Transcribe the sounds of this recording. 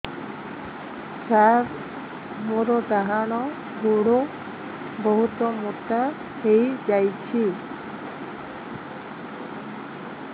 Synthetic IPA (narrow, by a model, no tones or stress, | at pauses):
saɾ | moɾɔd̪aɦaɽ̃ɔ | ɡuɽu | bɔɦut̪ɔmuʈa | hejd͡ʒajt͡ʃʰi